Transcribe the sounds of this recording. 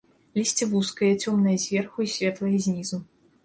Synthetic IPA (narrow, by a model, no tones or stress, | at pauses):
lʲisʲt͡sʲivuskɐjɐt͡sʲɔmnɐjɐzʲvʲɛrxuisʲvʲɛt̪lˠɐjɐzʲnʲizu